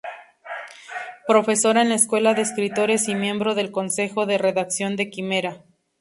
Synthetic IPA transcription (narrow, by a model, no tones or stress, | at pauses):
pɾo̞fe̞so̞ɾaenlaeskwe̞laðe̞eːskɾit̪o̞ɾe̞simjẽ̞mbɾo̞ðe̞lko̞nse̞xo̞ðe̞re̞ðaksjo̞nd̪e̞kime̞ɾa